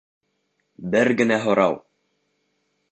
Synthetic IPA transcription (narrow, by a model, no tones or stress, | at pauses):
bɘɾɡɘ̆næɦŏɾɑw